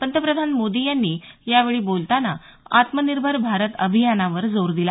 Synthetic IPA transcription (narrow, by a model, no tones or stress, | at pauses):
pənt̪ɾəpɾəd̪ʱanmod̪ijanːiːjaʋeɭiːbolt̪ana | at̪məniɾbʱəɾbʱaɾət̪əbʱijanaʋəɾd͡zoɾd̪ila